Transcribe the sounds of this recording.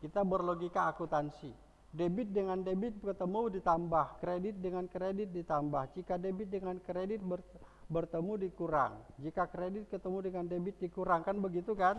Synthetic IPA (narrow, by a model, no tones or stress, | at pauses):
kit̪abərloɡikaːkut̪ansi | debɪt̪̚dəŋandebɪt̪̚kət̪əmudit̪ambahkɾedɪt̪̚dəŋankɾedɪt̪̚dit̪ambahd͡ʒikadebɪt̪̚dəŋankɾedɪt̪̚bərbərt̪əmudikuɾa̰ŋd͡ʒikakɾedɪt̪̚kət̪əmudəŋandebɪt̪̚dikuɾaŋkanbəɡit̪ukan